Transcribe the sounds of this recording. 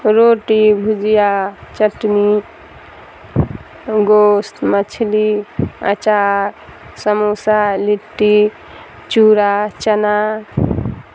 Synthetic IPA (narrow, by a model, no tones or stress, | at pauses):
ɾoʈibʱud͡ʒijat͡ʃəʈni | ɡost̪mət͡ʃʰiliə̰t͡ʃaɾ | səmosaliʈːi | t͡ʃuɾat͡ʃəna